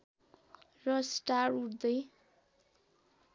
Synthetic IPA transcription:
rʌsʈaruɽd̪ʌj

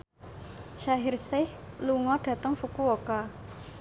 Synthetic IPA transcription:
ʃaɦɪrsɪhluŋɔɖ̥ä̤t̪əŋfukuoka

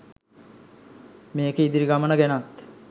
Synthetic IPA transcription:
meːkəid̪iɾiɡamənəɡænat̪

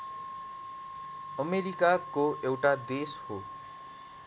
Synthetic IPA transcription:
ʌmeɾikakoʔewʈad̪esho

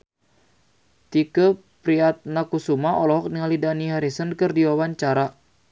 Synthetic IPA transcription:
t̪ikə | pɾiat̪̚nakusumaɔlɔɦɔk̚niŋalidaniɦaɾisənkərdiwawaɲt͡ʃaɾa

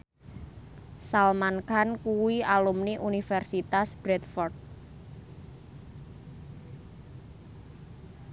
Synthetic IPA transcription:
salmankankuwialumniʔunifɛrsit̪asb̥ɾɛt̪fɔrt̪̚

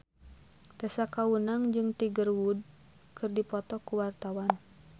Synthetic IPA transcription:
t̪ɛsakawunaŋd͡ʒɨŋt̪iɡərwud̚ | kɨrdipɔt̪ɔkuwart̪awan

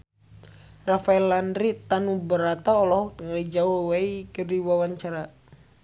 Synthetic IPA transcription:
rafaɛlːandɾit̪anubəɾat̪aɔlɔhŋalid͡ʒaowaikədiwawaɲt͡ʃaɾa

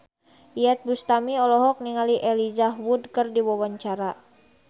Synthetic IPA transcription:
iɛt̪̚bust̪amiɔlɔɦɔk̚niŋaliʔɛlid͡ʒaɦwudkərdiwɔwaɲt͡ʃaɾa

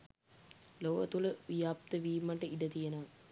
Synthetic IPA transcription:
loʋə̰t̪uləʋijap̚t̪əʋiːməʈəiɖət̪ijənəʋ

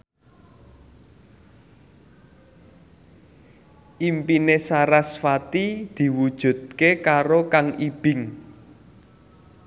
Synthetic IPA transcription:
ʔimpinesaɾasfat̪id̪̥i̤wud̥ʒ̥ṳd̪̚kekaɾokaŋib̥ɪ̤ŋ

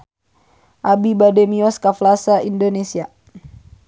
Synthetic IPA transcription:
ʔabibadɛmiɔskaflasaindonesia

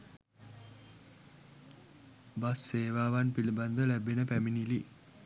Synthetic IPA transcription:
basːeːʋaːʋanpiliband̪əlæbenəpæminili

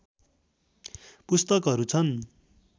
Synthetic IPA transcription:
pust̪ʌkɦʌɾut͡sʰʌn

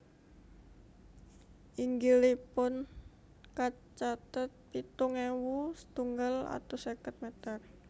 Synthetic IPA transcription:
ʔiŋɡilipʊn | ka | t͡ʃat̪ət̪̚pit̪uŋewusə̥t̪uŋɡala̰t̪usekət̪̚mɛt̪ər

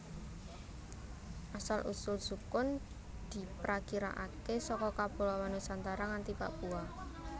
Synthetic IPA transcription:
ʔasalʔṵsʊlsukʊn | d̪̥i̤pɾakiɾa̰ʔakesɔkɔkab̥o̤lawanosant̪aɾaŋant̪ipa̰ʔpua

